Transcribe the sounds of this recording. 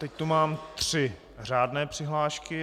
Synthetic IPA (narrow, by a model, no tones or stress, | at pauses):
t̪ɛc̚t̪umaːmt̪r̥ɪ | r̝aːdnɛːpr̥ɪɦlaːʃkɪ